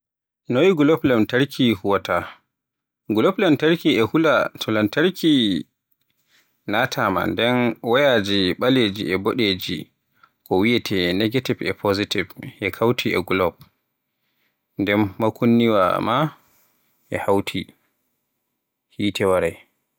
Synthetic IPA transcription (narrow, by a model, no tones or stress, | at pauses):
nowiɡulɔplɛmtaɾkʰihuwata | ɡulɔplɛmtaɾkiɛhulatʰɔlamtaɾkʰi | natʰama̰ndɛnwajad͡ʒiɓaled͡ʒiɛboɗed͡ʒi | kɔwijɛtʰɛnɛɡativɛ̰pʰozitivʔɛkʰawtʰiɛ̰ɡulɔp̚ | ndɛmːakunːiwa̰ma | ʔɛ̰hawtʰi | hiːtʰɛwaɾaj